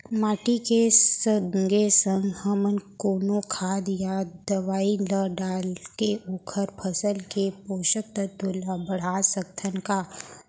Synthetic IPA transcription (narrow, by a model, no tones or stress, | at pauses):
maːʈikesəŋɡesə̃ŋɡhəmənkoːnokʰaːd̪jad̪əʋaːiləɖaːlkeʊkʰəɾpʰəsəlkepoːʃək̚t̪ət̪ʊlabəɽ̤asək̚t̪ʰənkaː